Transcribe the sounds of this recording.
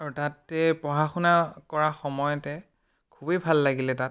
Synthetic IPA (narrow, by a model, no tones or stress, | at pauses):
aɹutatːɛpɔɦaxunakɔɹaxɔmɔjɔtɛ | kʰubebʱalːaɡilɛtat